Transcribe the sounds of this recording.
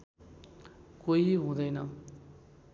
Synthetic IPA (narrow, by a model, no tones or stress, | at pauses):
koiɦũd̪ʌjnʌ